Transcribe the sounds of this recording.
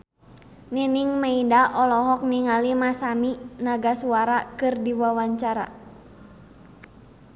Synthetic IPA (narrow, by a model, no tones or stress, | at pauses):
niniŋmaidaʔɔlɔɦɔk̚niŋalimasaminaɡasuaɾakɨrdiwawaɲt͡ʃaɾa̰